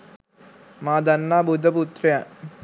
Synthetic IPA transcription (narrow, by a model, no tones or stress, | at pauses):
maːd̪ɐnːaːbud̪ʱɐput̪ɾɐja